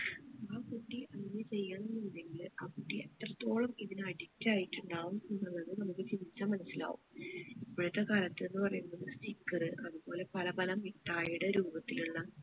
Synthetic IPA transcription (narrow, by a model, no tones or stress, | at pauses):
aːkuʈːiʔɐnɲːɐt͡ɕe̞jːanːɐnind̪eŋɡilaːkuʈːiet̪rɐt̪ːo̞ːɭɐmiðinɨɐɽitːaːjiʈːuɳɖaːʋumunːɐnːɐðɨnɐmukːɨt͡ɕinit͡ɕːamːɐnɐsːila̰ːʋṵmipːɐɻɐt̪ːekaːlɐt̪ːe̞nːɨpɐrɐjunːɐðɨstikːɐrɨʔɐðubo̞ːle̞pɐlɐbɐlɐmiʈːaːjuɽɐɾuːbɐt̪ːiluɭːɐ